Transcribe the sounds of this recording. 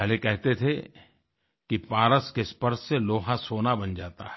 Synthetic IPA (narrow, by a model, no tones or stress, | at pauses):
ɛlekɛɦt̪et̪ʰe | kipaːɾəskespəɾseloːɦãsoːnabɐ̃nd͡ʒaːt̪a̰ɦɛ